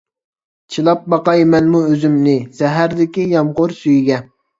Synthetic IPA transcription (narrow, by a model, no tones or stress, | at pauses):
t͡ʃʰilˠɑp̚bɑqɑjmɛnmuøzymnɪsɛɦæɾd̪ɪkʲijɑmʁʊɾsyjɡʲɛ